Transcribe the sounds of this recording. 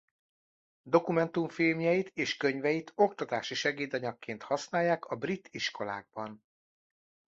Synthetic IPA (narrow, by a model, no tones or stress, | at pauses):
d̪o̞kumɛnt̪uɱfilmjɛjit̪eːʃkø̞ɲvɛjit̪ʰo̞k̚t̪ɒt̪aːʃiʃɛɡeːd̪ɒɲɒkːeːnt̪hɒsnaːjːaːkɒbrit̪ʰːiʃko̞la̰ːɡ̚bɒn